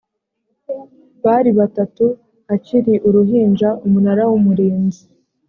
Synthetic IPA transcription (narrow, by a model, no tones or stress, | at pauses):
βaɾiβatatu | aciɾiʔuɾuɦiːnd͡ʒaʔumunaɾawumuɾeːnzi